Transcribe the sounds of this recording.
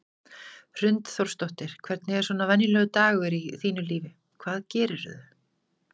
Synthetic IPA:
r̥ʏnt̪θɔr̥st̪oht̪ɪɾ̥kʰvɛɾt̪nɪɛɾ̥sɔːnavɛnːilœːɣʏt̪aːɣʏɾiθiːnʏliːvɪ | kʰvaːðcɛːɾɪɾʏ̰ðʏ

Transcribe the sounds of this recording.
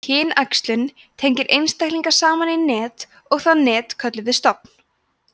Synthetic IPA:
cʰɪːnakst̪lʏn | t̪ʰejɲcɪɾʔejnst̪ajhkliŋkḁsaːmaninɛːt̪ | ɔɣθaðnɛːt̪kʰœt̪lʏvɪst̪ɔp̚n̥

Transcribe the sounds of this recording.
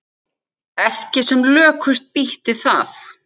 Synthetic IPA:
ɛhcɪsɛmlœːkʰʏst̪̚piht̪ɪθa̰θ

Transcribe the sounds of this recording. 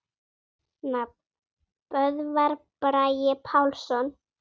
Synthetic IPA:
na | pœðvaɾpɾajɪpʰawlsɔn

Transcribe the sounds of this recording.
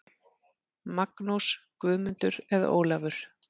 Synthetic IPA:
maknuskvʏːðmʏnt̪ʏɾɛða̰o̰ːwlavʏɾ̥

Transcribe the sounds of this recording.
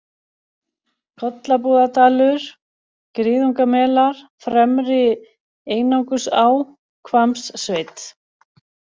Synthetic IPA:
kʰɔt̪lapuːðat̪aːlʏɾ̥ | kɾiːðuŋkamɛːlaɾ̥ | fɾɛmɾɪ | eːjnawŋkʏsaw | kʰvamsːveːjt̪

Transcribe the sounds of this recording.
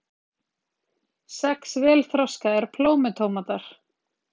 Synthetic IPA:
sɛksvɛːlθɾɔwskaɛɾ̥pʰloːwmɪt̪ʰowmat̪aɾ̥

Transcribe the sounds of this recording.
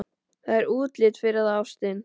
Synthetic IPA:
θaðɛɾuːt̪lɪt̪fɪɾɪaðawst̪ɪn

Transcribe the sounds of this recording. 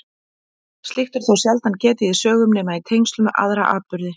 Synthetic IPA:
st̪lixt̪ɛɾ̥θowsjɛlt̪ancɛːt̪ɪiðsœːɣʏmnɛːmait̪ʰejŋst̪lʏmʔa̰ðɾaʔa̰ːpʏɾðɪ

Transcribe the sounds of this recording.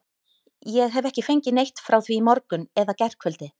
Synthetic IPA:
jɛɣɦɛvɛhcɪfejɲcɪnejht̪fɾawθviːmɔɾkʏnɛðacɛr̥kʰvœlt̪ɪ

